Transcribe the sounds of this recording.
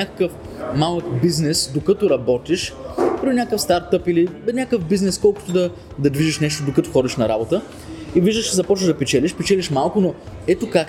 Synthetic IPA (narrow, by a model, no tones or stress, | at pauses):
akə̥kəf | malˠəkbiznɛsd̪okət̪oɾɐbɔt̪iʃpɾʲinʲakəfst̪aɾt̪ɤpilinʲakəfbiznɛskɔlˠkʊ̥t̪oʊd̪ɐ | d̪ɐd̪viʒiʃnɛʃt̪od̪okɐt̪oxɔd̪iʃnɐɾabot̪ə | iviʒd̪əʃzɐpɔt͡ʃnəʒd̪ɐpɛt͡ʃɛliʃpɛt͡ʃɛliʃmalˠkʊnoɛt̪okak